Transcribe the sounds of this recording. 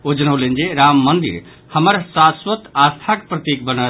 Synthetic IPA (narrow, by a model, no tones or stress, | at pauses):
od͡ʒənəwlend͡ʒeɾamːənd̪ḭɾ | həməɾsasʋət̪ast̪ʰakpɾət̪ik̚bənə